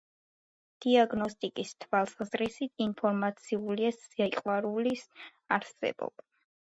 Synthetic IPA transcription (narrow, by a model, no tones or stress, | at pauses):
d̪̥iaɡnɔst̪ʼikʼist̪ʰwalˠsazɾisit̪ʰinpʰɔɾmat̪sʰiuliasaqʼwaɾulis | aɾsɛ̰bɔ̰b̥